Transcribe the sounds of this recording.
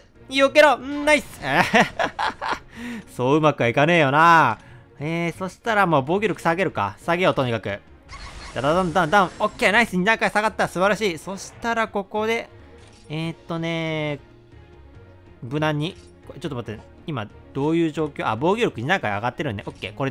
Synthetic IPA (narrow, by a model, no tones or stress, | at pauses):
iokeɾoɯ̃naisɨ̥e | so̞ːɯ̟makɯ̟βaikane̞ːjo̞na | eːso̞ɕi̥t̪aɾamo̞ːbo̞ːɡʲoɾʲo̞kɯ̟̥saɡe̞ɾɯ̟ka̰saɡejot̪oɲ̟ikakɯ̟ | d̪̥ad̪aãnd̪ãnd̪ãɰ̃okʲːeːnaisɨɲ̟inãŋkasaɡat̪ːasɨbaɾaɕiːso̞ɕi̥t̪aɾako̞ko̞d̪e̞ | et̪ːo̞ne̞ | bɯ̟nãɲ̟ːi | kot͡ɕot̪ːomat̪ːa | ima | d̪̥o̞ːjɯ̟ːʑo̞ːkʲoːa̰bo̞ːɡʲoɾʲo̞kɯ̟ɲ̟inãŋkaa̰ɡat̪ːeɾɯ̟̃nd̪e̞ʔokʲːe̞ːko̞ɾe